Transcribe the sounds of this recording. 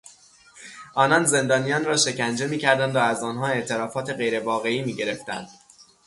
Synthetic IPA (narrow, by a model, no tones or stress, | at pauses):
ʔɒːnɒnze̞nd̪ɒːnijɒːnrɒːʃe̞cʲʰænd͡ʒe̞miːcʰæɾd̪ænd̪ɒæzɒːnɦɒːe̞ʔt̪ʰe̞ɾɒːfɒːt̪ʰe̞ɣe̞jɾe̞vɒːɣe̞iːmiːɟe̞ɾe̞ft̪æ̰nd̪̥